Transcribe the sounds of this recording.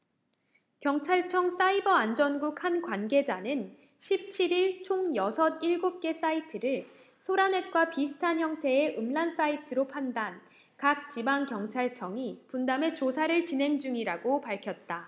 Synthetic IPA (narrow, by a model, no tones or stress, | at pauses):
kjʌŋt͡ɕʰaɭt͡ɕʰʌŋs͈aibʌand͡ʑʌnɡukʰhankwanɡe̞d͡ʑanɯn | ɕʰip̚t͡ɕʰiɾiɭt͡ɕʰoŋjʌsʰʌniɭɡop̚k͈e̞s͈aitʰɯɾɯɭ | sʰoɾane̞t̚k͈wapisʰɯ̥tʰanɦjʌŋtʰe̞eʔɯmɭans͈aitʰɯɾopʰandan | kak̚t͡ɕibaŋkjʌŋt͡ɕʰaɭt͡ɕʰʌŋipundame̞t͡ɕosʰaɾɯɭt͡ɕinɦe̞ŋd͡ʑuŋiɾaɡopaɭkʰjʌt̚t͈a